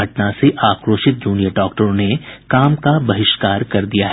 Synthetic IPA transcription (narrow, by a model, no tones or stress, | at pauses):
ɐʈnaseʔaːkɾoːʃɪt̪̚d͡ʒuːnijəɖɔːk̚ʈəɾõnekaːmkabɐɦɪʃkaːɾkɐɾd̪ijaɦɛ